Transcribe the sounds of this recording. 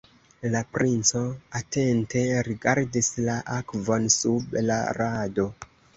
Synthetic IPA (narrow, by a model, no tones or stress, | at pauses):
lapɾʔint͡so̞ate̞nte̞ɾiɡaɾdislaʔakvo̞nsubla̰ɾado̞